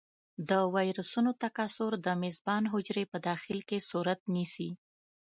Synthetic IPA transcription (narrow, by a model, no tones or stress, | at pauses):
d̪əwɑjɾəsunot̪akasʊɾd̪əmɪzbɑnɦʊd͡ʒɾepəd̪ɑxɪlkesuɾat̪nisi